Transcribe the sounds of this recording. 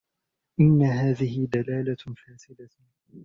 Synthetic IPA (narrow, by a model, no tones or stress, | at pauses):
ʔɪnːaɦaːðɪhɪd̪alaːlafaːsɪd̪a